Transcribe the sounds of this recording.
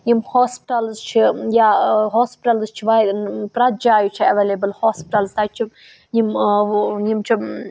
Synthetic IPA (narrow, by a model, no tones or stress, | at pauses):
jimhɔːspi̥ʈɐlzt͡ʃʰijaɦoːspiʈɐlzt͡ʃʰiʋad̪pɾɐd̪̚d͡ʒaːjut͡ʃʰiɐʋelebəlhɔːspiʈɐlzt̪at͡ʃʰi | jim | jimt͡ʃʰi